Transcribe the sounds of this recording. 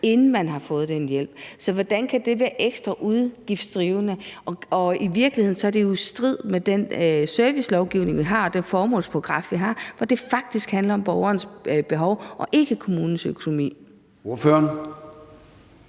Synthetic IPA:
e̝nn̩mænɦɑ̈fɔ̽ːð̞̩ˠd̥enjel̰b̥̚sɒ̽ʋɒd̥ænkʰæd̥e̝ʋæːɐʔeɡ̥sd̥ʁɐʔuðˠɡ̥ifd̥sd̥ʁiːʊnəʔɒ̽ɒ̽iʋiɐɡ̥lihe̝ð̞̰ˠn̩sɒ̽ɐd̥e̝josd̥ʁið̞̰ˠmed̥ensøɐʋislɒʊɡ̥ḭʊne̝ŋʋiɦɑ̈ːɒd̥enfɒːmɔ̰̽ːlspʰoɡ̥ʁɑ̈fʋiɦɑ̈ʋɒd̥e̝fɑ̈ɡ̥̚d̥isɡ̥hænlɐɒ̽mb̥ɒʊɐːnəsb̥e̝ɦɒʊʔɒ̽ʔe̝ɡ̥əkʰo̝muːnn̩søkʰo̝no̝mḭː | oføɐn

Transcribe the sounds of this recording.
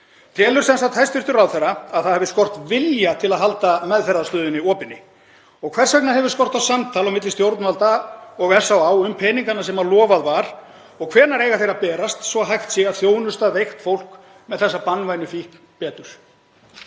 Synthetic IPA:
t̪ʰɛːlʏɾ̥sɛnsat̪ʰajst̪vʏr̥t̪ʏɾawθɛɾaaðθaðhɛvðɪskɔr̥t̪vɪljat̪ʰɪlaðɦalt̪amɛðfɛɾːast̪ʏːðʏniɔːpɪnːɪ | ɔɣkʰvɛr̥sɛk̚naɦɛvɪ̥skɔr̥t̪awsamt̪ʰalawmɪt̪lɪst̪jowɾt̪nvalt̪aɔɣɛ̥sawaːwʏmpʰɛːniŋkanasɛmalɔːvaðvaɾ̥ | ɔɣkʰv̥ɛːɾnaɾejɣaθejɾapɛːɾast̪svɔɦajxt̪sɛɣaðθjoːwnʏst̪aðvejxt̪fowl̥k | mɛðθɛsːapanvajnʏfihk | pɛːt̪ʏɾ̥

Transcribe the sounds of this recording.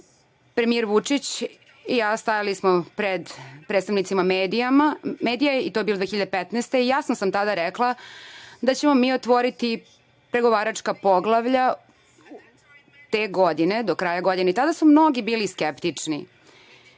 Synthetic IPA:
pɾemijeɾʋut͡ʂit͡ɕ | ijaːst̪ajalismopɾed̪pɾet̪st̪aʋnit̪simameːd̪ijamameːd̪ijaeit̪ojbild̪ʋexiʎad̪epɛt̪nɛst̪eijasnosamt̪ad̪aɾɛklˠad̪at͡ɕemomiːot̪ʋo̞ɾit̪i | pɾe̞ɡo̞ʋaːɾat͡ʂkapo̞ɡlˠaʋʎa | t̪eːɡod̪ine̞d̪okɾaːjaɡo̞d̪ineit̪ad̪asumno̞ɡibiːliskept̪it͡ʂnḭ

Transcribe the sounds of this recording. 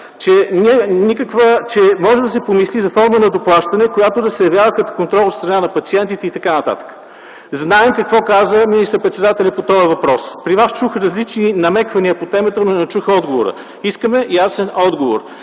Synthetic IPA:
t͡ʃɛniɛnikəkvət͡ʃɛmɔʒɛd̪ɐsɛpomislizɐfɔɾmənɐd̪oplˠaʃt̪ɐnɛkojat̪od̪ɐsɛjɐvjavəkət̪o̥kont̪ɾɔlˠfst̪ɾɐnanɐpɐt̪siɛnt̪it̪ɛit̪ɐkanɐt̪a̰t̪ə̥kə̥ | znaɛmkɐkvɔkazəminist̪əɾpɾɛt̪sɛd̪at̪ɛlʲɐpot̪ɔəvɐpɾɔspɾivast͡ʃuxɾɐzlit͡ʃninɐmɛkvɐniəpot̪ɛmɛt̪ənonɛnɐt͡ʃuxəɔd̪ɡovo̰ɾə̰ | iskəmɛjasɛnɔd̪ɡovo̰ɾ

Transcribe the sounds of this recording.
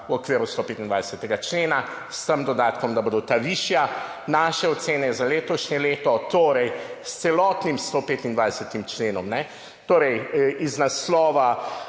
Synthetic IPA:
wɔkʋeːɾust̪oːpeːt̪ind̪ajsət̪ɛɡat͡ʃleːna | st̪əmd̪ɔd̪aːt̪kɔmd̪abod̪ot̪aʋiʃja | naʃɛɔt̪seːnɛzaleːt̪ɔʃɲɛleːt̪ɔt̪oːɾɛjst̪sɛlɔːt̪nimst̪opeːt̪ind̪ʋajsət̪imt͡ʃleːnɔmnɛ | t̪oːɾɛjiznaslɔːʋa

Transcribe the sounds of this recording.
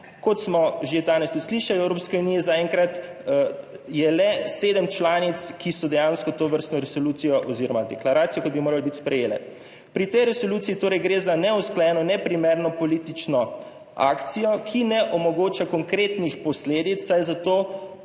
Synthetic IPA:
kɔt̪smɔʒed̪aːnɛst̪ut̪sliʃajɔɛwɾopskɛunijɛzaɛŋkɾat̪ | jɛlɛseːd̪əmt͡ʃlaːnit̪skisɔd̪ɛjãːnskɔt̪oʋəɾst̪nɔɾɛsɔluːt̪ijɔʔɔziɾɔmad̪ɛklaɾaːt̪sijɔkɔd̪̚bimoːɾalbit̪spɾɛjeːlɛ̰ | pɾit̪ɛjɾɛsoluːt̪siːt̪oːɾɛjɡɾeːzanɛusklajɛnɔnɛpɾimeɾnɔpɔlit̪it͡ʃnɔ | a̰ːkt̪sijɔkʰinɛʔɔmɔɡoːt͡ʃakɔŋkɾeːt̪nixpɔsleːd̪it̪sːajzat̪oː

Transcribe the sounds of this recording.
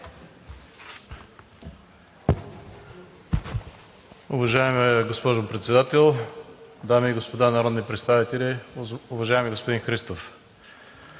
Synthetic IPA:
ʊvɐʒaɛmɡospɔʒopɾɛt̪sɛd̪at̪ɛlˠd̪amiːɡospod̪anaɾɔd̪nipɾɛt̪st̪avit̪ɛlʲiʊvɐʒaɛmiɡospod̪inxɾist̪of

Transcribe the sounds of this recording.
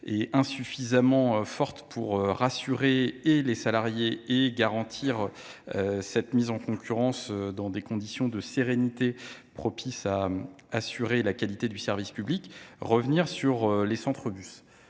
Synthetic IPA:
eɛ̃syfizamɑ̃fɔʁt̪pʰuʁøʁasyʁeːlesalaʁjeeɡaʁɑ̃t̪ʰiʁ | øsɛt̪mizɑ̃kɔ̃kʲʰyʁɑ̃sød̪ɑ̃d̪ekɔ̃d̪isjɔ̃d̪əseʁenit̪epχɔpʰisaː | syʁelakalit̪ed̪ysɛʁvispyblikʁəvniʁsyʁlesɑ̃t̪χəbys

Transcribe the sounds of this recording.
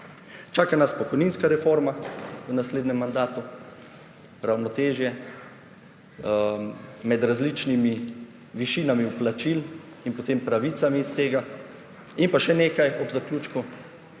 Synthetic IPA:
t͡ʃaːkanaspɔkɔjninskaɾɛfoɾmawənasleːd̪nɛmːand̪aːt̪u | ɾawnɔt̪eːʒjɛ | mɛd̪ɾazlit͡ʃnimi | ʋiʃiːnamiuplat͡ʃilinpɔt̪empɾaʋiːt̪samiːst̪eːɡa | inpaʃɛneːkajɔbzakluːt͡ʃku

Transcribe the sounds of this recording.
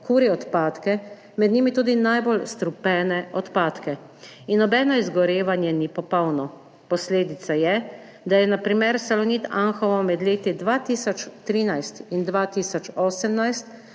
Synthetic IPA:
kuːɾiɔt̪paːt̪kɛ | mɛd̪niːmit̪uːd̪inajbɔlst̪ɾupɛːnɛɔt̪paːt̪kɛ | inɔbɛːnɔizɡɔɾeːʋanjɛnipɔpɔwnɔ | pɔsleːd̪it̪sajɛ | d̪ajɛnapɾimɛɾsalɔniːt̪aŋxɔʋɔmɛd̪leːt̪id̪ʋaːt̪iːsɔt͡ʃt̪ɾiːnajst̪ind̪ʋat̪iːsɔt͡ʃɔːsɛmnajst̪

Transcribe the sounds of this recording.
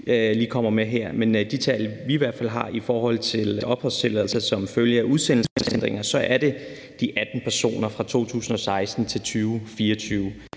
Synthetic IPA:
liːkʰɒ̽m̰ɐmeɦeɐ̰mend̥it͡sʰɛɪlʋiʋæɐd̥fæl̰ɦɑ̈ʔifɒːhɒ̽l̰t͡sʰe̝lʔɒ̽b̥hɒst͡sʰe̝lɛðˠlsɐsɒ̽mføljəæʔuðˠsen̰l̩sesen̰d̥ʁeŋɐsɒ̽ʔæɐɾe̝ | d̥iʔæd̥n̩pʰæɐso̝̰ːnɐfʁɑ̈t͡sʰo̝̰ːt͡sʰṵːsn̩ɒ̽sɑ̈ɪsd̥n̩t͡sʰe̝lt͡sʰyːʊfiːɐɒt͡sʰyːʊ

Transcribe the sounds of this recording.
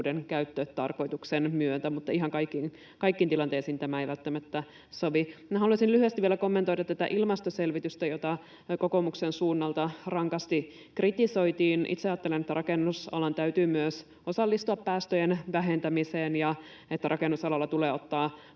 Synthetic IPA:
denkæyɥt̪ːøt̪t̪ɑrko̞jt̪uksenmyønt̪æmut̪ːɑiɦɑŋkɑjkːin | kɑijkːiːnt̪ilɑnt̪eːsiːnt̪æmæejʋælt̪ːæmæt̪ːæ | soʋiæhɑluɑsinlyhyest̪iʋieɛlæko̞mːent̪ojdɑt̪ːæt̪æ̰ʔilmɑst̪oselʋit̪yst̪æjot̪ɑ | kokomuksensuːnːɑlt̪ɑrɑŋkɑst̪i | krit̪isojt̪iːnʔḭt̪seɑːt̪ːelenet̪ːærɑkenːusɑ̰lɑnt̪æyt̪yːmyøs | o̞sɑlːist̪uɑppæːst̪øjenʋæɦe̞nt̪æmiseːnjɑ | et̪ːæɾʔɑkenːusɑlɑlːɑt̪uleːot̪ːɑː

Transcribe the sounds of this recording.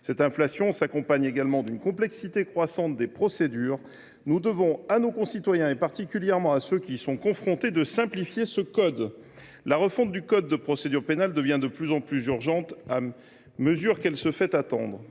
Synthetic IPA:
sɛt̪ɛ̃flasjɔ̃sakɔ̃paɲeɡalmɑ̃d̪ynkɔ̃plɛksit̪ekχwasɑ̃t̪̚d̪epχɔsed̪yːʁ | nud̪əvɔ̃anokɔ̃sit̪wajɛ̃epaʁt̪ikʲyljɛʁmɑ̃asøkʲisɔ̃kɔ̃fχɔ̃t̪ed̪əsɛ̃plifjesəkɔd̪ | laʁəfɔ̃t̪̚d̪ykɔd̪ːəpχɔsed̪yʁpenald̪əvjɛ̃d̪əplyzɑ̃plyzyʁʒɑ̃t̪a | məzyʁkɛlsəfɛt̪at̪ɑ̰̃d̪ʁ

